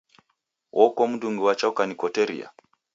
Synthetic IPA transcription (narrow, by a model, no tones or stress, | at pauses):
wʔɔkomuduŋɡuwat͡ʃaukanikɔteɾḭa̰